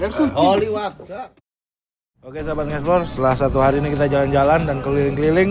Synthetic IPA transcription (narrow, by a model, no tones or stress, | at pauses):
ɛsuoliwak̚a | okesabat̪̚ŋɛtlɔrsəlahsat̪uɦaɾinikit̪ad͡ʒaland͡ʒalandankəlilɪŋkəlilɪŋ